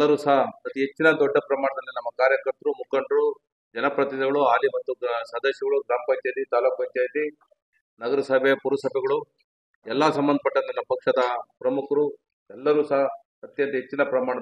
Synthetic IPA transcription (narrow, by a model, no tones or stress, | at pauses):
lːɐɾuːsɐɦɐɐt̪iɦet͡ʃːinɐd̪ɔɖːɐpɾɐmaːɳɐd̪ɐlːinɐmːɐkaːɾjɐkɐɾt̪ɐɾumukɐɳɖɐɾu | d͡ʒɐnɐpɾɐt̪id̪ɐɡɐɭuaːlimɐt̪t̪ːusɐːd̪ɐʃjɐɡɐɭuɡɾaːmɐpɐɲt͡ʃajd̪it̪aːluːkʋɐɲt͡ʃaːjd̪i | nɐɡɐɾɐsɐbepuɾɐsɐbʱɛɡɐɭu | ɛlːɐsɐmbɐnd̪ʱɐpɐʈːɐnt̪ɐnːɐpɐkʂɐd̪ɐpɾɐmukʰɐɾu | ɛlːɐɾuːsɐɦɐ | ɐt̪jɐnt̪ɐɦet͡ʃːinɐpɾɐmaːɳɐ